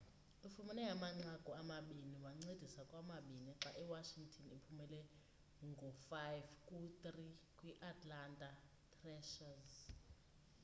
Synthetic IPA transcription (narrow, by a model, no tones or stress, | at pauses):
ufumɛnɛjamaŋ͡ǀaɡ̥ʱɔamaɓiniwaŋ͡ǀed̥ʱisakʼwamaɓinɛǁaʔɛwaʃiŋɡtʰɔnipʰumɛlɛ | ŋɡʱɔfajvkʼut̪rikʼwiʔatʰʼlantʼa | tʰrɛʃaz